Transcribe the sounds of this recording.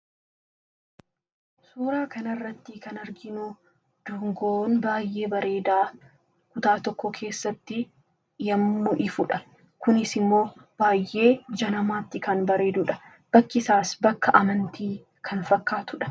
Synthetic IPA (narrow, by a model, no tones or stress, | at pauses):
suːɾaːkɐnɐrːɐt̪ːɪkɐnɐɾɡɪnʊ | d̪̥uŋɡoːnbaːjʔe̞ːbɐɾe̞ːd̪aː | kʊt̪aːt̪ɔkːɔkʰe̞ːsːɐt̪ːɪ | jɐmːʊʔɪfʊᶑɐ | kʊnɪsɪmːo̞ːb̥aːjːe̞ːd͡ʒɐnɐmaːt̪ːɪkɐnbɐɾe̞ːd̪ʊᶑɐ̥ | b̥ɐkːɪsaːsbɐkːɐʔɐmɐnt̪iː | kʰɐnfɐkːaːt̪ʊᶑɐ̥